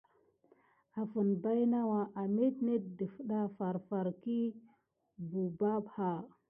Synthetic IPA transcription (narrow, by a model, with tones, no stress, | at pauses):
a˨fu˨nba˦jna˦wa˨ʔa˨me˦tne˦t̚də˨fɗa˦fa˨ɾfa˨ɾki˦ | bu˨ba˦bha˨